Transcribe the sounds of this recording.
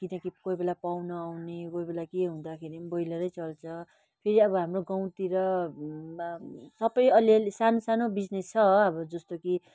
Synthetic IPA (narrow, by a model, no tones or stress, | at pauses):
kinʌkikojbelapawnʌːwnekojbelakeɦũd̪akʰeɾibʌjlʌɾʌjt͡sʌlt͡sʰʌ | pʰeɾiʌbʌɦamroɡaw̃t̪iɾʌ | sʌpʌjʌlesanosanobid͡znest͡sʰʌʌbʌd͡zʌst̪oki